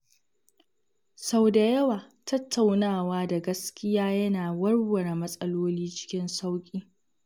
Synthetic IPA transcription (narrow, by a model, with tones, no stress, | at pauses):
sa˨wda˨jɐ˦waː˨ | tɐ˦tʰːa˨wnaː˦˨waː˦da˨ɡɐ˦skʲɪ˦jaː˦jɐ˦naː˨wɐ˦rwɐ˨ɾa˨mɐ˦sʼɐ˦loː˦liː˦t͡ʃɪ̥˦kʲɪ˦nsa˦wkʲʼiː˦